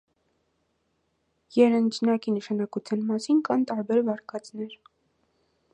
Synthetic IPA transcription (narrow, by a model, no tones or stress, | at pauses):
jɛɾənd͡ʒnɑkinəʃɑnɑkut͡sʰjɑnmɑsinkɑnt̪ɑɾbɛɾvɑɾkʰɑt͡snɛɾ